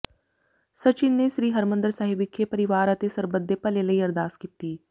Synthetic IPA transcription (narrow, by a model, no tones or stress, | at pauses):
sət͡ʃɪnːeʃɾiːɦəɾmə̃nd̪əɾsaɦɪʋɪkʰːepəɾɪʋaːɾət̪esəɾbəd̪ʱːepəleləiːɐɾd̪aːskit̪iː